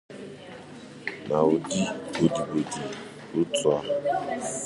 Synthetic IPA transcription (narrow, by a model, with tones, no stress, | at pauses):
na˨u˨di˦bo˨di˨bo˨di˨ | u˦t͡swa˦